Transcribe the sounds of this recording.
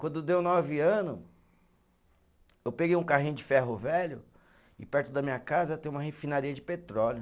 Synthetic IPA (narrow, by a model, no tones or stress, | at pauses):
kwɐ̃nd̪ʊd̪ewnɔvɪɐ̃nʊ | ewpeɡejũkaɦĩj̃ʊ̃d͡ʒɪfɛɦʊvɛʎʊ | ɪpɛɾt̪ʊd̪ɐmĩɲɐkazɐt̪ẽj̃ũmɐɦefinaɾiɐd͡ʒɪpet̪ɾɔljʊ